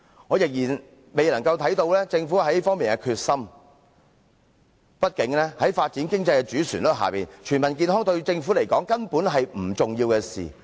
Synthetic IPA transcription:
ŋɔː˨˧jɪ˨k̚jiː˨˩n | me˨jlɐ˨˩ŋkɐ˧wt̪ʰɐ˨˥jt̪o˧wlɛː˥t͡sɪ˧ŋfuː˨˥hɐ˨˥jfɔː˥ŋmiː˨nkɛ˧kʰyː˧t̚sɐ˥m | pɐ˥t̚kɪ˨˥ŋlɛː˥hɐ˨˥jfaː˧t̚t͡siː˨˥nkɪ˥ŋt͡sɐ˧jkɛ˧t͡ʃyː˨˥syː˨˩nlɔ˥ɦa̰ː˨˩piː˨nt͡ʃʰyː˨˩nmɐ˨˩nk̬iː˧nɦɔː˥ŋt̪ɵ˧ɥt͡sɪ˧ŋfuː˨˥le˨˩jkɔː˨˥ŋkɐ˥npuː˨˥nɦɐ˨jm̩˨˩t͡sʊ˨ŋjiː˧wkɛː˧sḭː˨

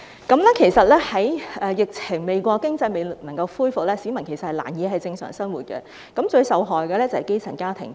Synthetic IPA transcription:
kɐ˨˥mlɛ˥kʰe˨˩jsɐ˨t̚lɛː˥hɐ˨˥jʔɛː˨˧jɪ˨k̚t͡sʰɪ˨˩ŋme˨jkʷɔː˧kɪ˥ŋt͡sɐ˧jme˨jlk̚nɐ˨˩ŋkɐ˧wfuː˥jfʊ˨k̚lɛː˥siː˨˥mɐ˨˩nkʰe˨˩jsɐ˨t̚hɐ˨˩la̰ː˨˩njiː˨˧ɦɐ˨jt͡sɪ˧ŋsœ̰ː˨˩ŋsɐ˥nwuː˨˩t̚kɛ̰˧ | kɐ˨˥mt͡ʃɵ˧ɥsɐ˨wɦɔː˨˩jkɛ˧lɛː˥t͡sɐ˨˩hɐ˨jke˥jt͡sʰɐ˨˩nkaː˥t̪ʰɪ̰˨˩ŋ

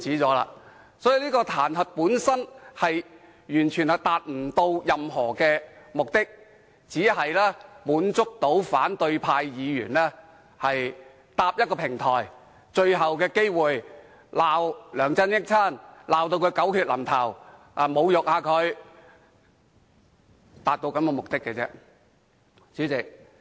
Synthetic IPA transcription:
t͡sʰiː˨˥t͡sɔː˨˥la̰ː˧ | sɔː˨˥ji˨˧liː˥kɔː˧t̪ʰaː˨˩nhɐ˨t̚puː˨˥nsɐ˥nhɐ˨j | jyː˨˩nt͡ʃʰyː˨˩nhɐ˨jt̪aː˨t̚m̩˨˩t̪o˧wjɐ˨mɦɔː˨˩kɛː˧mʊ˨k̚t̪ɪ˥k̚ | t͡siː˨˥ɦɐ˨jlɛː˥puː˨˥nt͡sʊ˥k̚t̪o˨˥wfa̰ː˨˥nt̪ɵ˧ɥpʰaː˧jjiː˨˧jy̰ː˨˩nlɛː˥ | hɐ˨j | t̪aː˧p̚jɐ˥t̚kɔː˧pʰɪ˨˩ŋt̪ʰɔː˨˩j | t͡ʃɵ˧ɥɦɐ˨wkɛː˧ke˥jwuː˨˩j | laː˨wlœː˨˩ŋt͡sɐ˥njɪ˥k̚t͡sʰaː˥˩nlaː˨wt̪o˧wkʰɵ˨˧ɥkɐ˨˥wkʰyː˧t̚lɐ˨˩mt̪ʰɐ˨˩w | ʔa˨mo˨˧wjʊ˨k̚haː˨˧kʰɵ˨˧ɥ | t̪aː˨t̚t̪o˧wkɐ˨˥mkɛɔ˧mʊ˨k̚t̪ɪ˥kːɛ˧t͡sɛ̰ː˥ | t͡syː˨˥t͡sɪ˨k̚

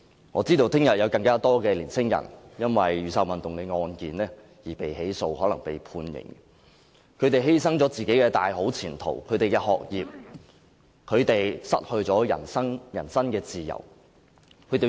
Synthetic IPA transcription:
ŋɔː˨˧t͡siː˥t̪o˧wt̪ʰɪ˥ŋjɐ˨t̚jɐ˨˧wkɐ˧ŋkaː˥t̪ɔː˥kɛː˧liː˨˩nsɪ˥ŋjɐ̰˨˩njɐ˥nwɐ˨jɥyː˨sɐ˧wɐ˨nt̪ʊ˨ŋkɛː˧ŋɔː˧nkiː˨nlɛː˥ | jiː˨˩pe˨jɦe˨˥jso˧whɔ˨˥lɐ˨˩ŋpe˨jpʰuː˧njɪ̰˨˩ŋ | kʰɵ˨˧ɥt̪e˨jɦe˥jsɐ˥ŋt͡sɔ˨˥t͡siː˨ke˨˥jkɛː˧t̪a̰ː˨jɦo˨˥wt͡sʰiː˨˩nt̪ʰo̰˨˩wkʰɵ˨˧ɥt̪e˨jkɛː˧ɦɔ̰ː˨k̚jiː˨p̚ | kʰɵ˨˧ɥt̪e˨jsɐ̰˥t̚hɵ˧ɥt͡sɔː˨˥jɐ̰˨˩nsɐ˥ŋjɐ˨˩nsɐ˥nkɛː˧t͡siː˨jɐ̰˨˩w | kʰɥt̪e˨

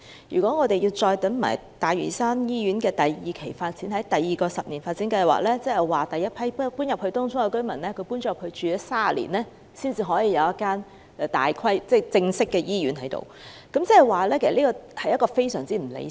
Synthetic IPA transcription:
jy̰ː˨˩kʷɔː˨˥ŋɔː˨˧t̪e˨ji˧wt͡ʃɔː˧jt̪ɐ˨˥ŋma̰ː˨˩jt̪aː˨jɥy̰˨˩saː˥njiː˥ɥyː˨˥nkɛː˧t̪ɐ˨jjiː˨kʰe˨˩jfaː˧t̚t͡siː˨˥nhɐ˨˥jt̪ɐ˨jːiː˨kɔː˧sɐ˨p̚niː˨˩nfaː˧t̚t͡siː˨˥nkɐ˧jwa̰ː˨k̚lɛː˥t͡sɛ˥hɛ˨˩jwaː˨t̪ɐ˨jːɐ˥t̚pʰɐ˥jppuː˥njɐ˨p̚hɵ˧ɥt̪ɔː˥ŋt͡sʰʊ˥ŋɛ˧kɵ˥ɥmɐ˨˩nlɛː˥kʰɵ˧ɥpuː˥nt͡ʃɔː˥jphɵ˧ɥt͡ʃyː˨ɛː˨˦˥saː˥˨lḭː˨˩nlɛː˥ | siː˥nt͡siː˨˧ɦɔː˨˥jiː˨˧jɐ˨˧wjɐ˥kːaː˥nː˧ | t̪a̰ː˨jkʰwɐ˥jt͡sɛ˥˩t͡sɪ˧ŋsɪ˥kːɛː˧jiː˥ɥyː˨˥nɦɐ˨˥jt̪o̰˨wkɐ˨˦mt͡sɛ˥˩ɛ˨jwaː˨lɛː˥kʰe˨˩sɐ˨li˥kɔː˧hɐ˨jɐ˥kɔː˧fe˥jsœː˨˩ŋt͡siː˥m̩˨˩lḛ˨˧

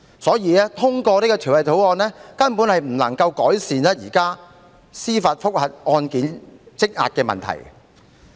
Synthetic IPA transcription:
sɔː˨˥jiː˨˧ɛː˥t̪ʰʊ˥ŋkɔː˧ni˥kɔː˧t̪ʰy˨˩wlɐ˨jt̪ʰo˨˥wɔː˧nɛː˥kɐ˥npuː˨˥nhɐ˨jm̩˨˩lɐ˨˩ŋkɐ˧wkɔː˨˥jsiː˨nɛː˥jiː˨˩kaː˥ | siː˥faː˨t̚fʊ˥k̚hɐ˨t̚ʔɔː˧nkiː˨˥nt͡sɪ˥k̚ŋa̰ː˨t̚kɛː˧mɐ̰˨nt̪ʰɐ̰˨˩j

